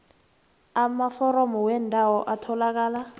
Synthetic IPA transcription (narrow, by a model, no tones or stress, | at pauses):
amafɔrɔmɔwɛndʱawɔʔatʰɔlak̬aːla